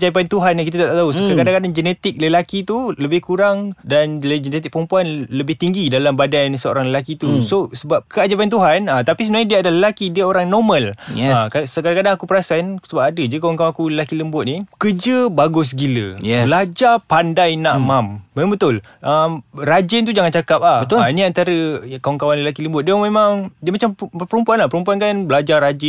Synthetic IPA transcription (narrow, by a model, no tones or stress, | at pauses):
d͡ʒajp̬aint̪uɦanakit̪̬at̪at̪aʔt̪auskakadãŋkadaŋd͡ʒənɛt̪ɪk̚ləlakit̪uləbɪhkuɾaŋdanld͡ʒənɛt̪ɪk̚pəɾəmpuanləbɪht̪iŋɡidalambadansəo̰ɾaŋləlakit̪usosəbap̚kəad͡ʒapajint̪uɦanət̪apisəmənaɲadiəadaləlakidiəoɾaŋnɔmə̃lakasəkadakadaŋakupəɾasansəbap̚adəd͡ʒəkawaŋkawãakuləlakiləmbʊt̪̚nikəd͡ʒəbaɡʊs̬ɡilə̰jɛbəad͡ʒapandajnaʔmambemabət̪ʊl | ʔamrad͡ʒɛnt̪ud͡ʒaŋant͡ʃakap̚lahəaniant̪aɾəkawaŋkawanləlakiləmbʊt̪̚damemãŋdiəmat͡ʃampəɾumpuanlahpəɾumpuankanbəlad͡ʒarad͡ʒɛ